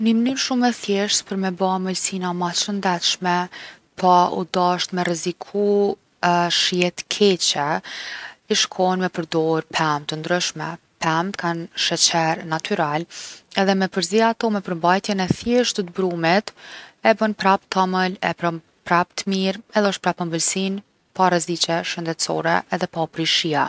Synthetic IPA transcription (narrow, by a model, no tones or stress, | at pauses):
nəmnyɾʃumɛθjɛʃt̪pəɾmɛbaməlsinamaʃənd̪ɛt̪ʃmɛ | pʰaṵd̪aʃt̪mɛrɛzikʰu | ʃjɛt̪kʰɛt͡ɕɛ | iʃkʰɔnmɛpəɾd̪ɔɾpʰɛmt̪ənd̪ɾyʃmɛ | pɛmt̪kʰanʃɛt͡ɕɛɾnat̪ʰyɾalɛðɛmɛpəɾziaːt̪ɔmɛpəɾmbajt̪jɛnɛθjɛʃt̪ət̪bɾumit̪ɛbənpɾap̚t̪aməlɛpɾɔ | pɾap̚t̪əmiɾɛðɛɔʃt̪pɾapəmbəlsin | paɾɛzit͡ɕɛʃənd̪ɛt̪t͡sɔ̰ɾɛ̰ːðɛpapɾiʃia